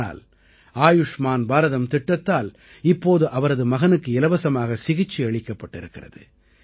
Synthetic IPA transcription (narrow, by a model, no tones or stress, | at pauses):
a̰ːl | aːjɯʂmaːnbaːɾɐðɐmt̪ɪʈːɐt̪ːaːl | ɪpːoːðɯʔɐʋɐɾɐðɯmɐɣɐnɯkːɯɪlɐʋɐsɐmaːɣɐsɪɣɪt͡ʃːiɐɭɪkːɐpːɐʈːɪɾɯkːɪrɐ̰ðɯ̰